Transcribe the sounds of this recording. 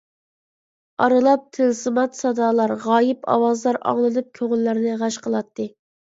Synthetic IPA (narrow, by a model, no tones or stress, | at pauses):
ɑɾɨlˠɑp̚t̪ʰɪlsɨmɑt̪sɑd̪ɑːlˠɑɾʁɑːjɪpʰɑ̰wɑzlˠɑɾɑ̰ŋlˠɨnɨp̚kʲʰøʁɨlːæɾnɪʁɑʃqʰəlˠɑt̪ʰːɨ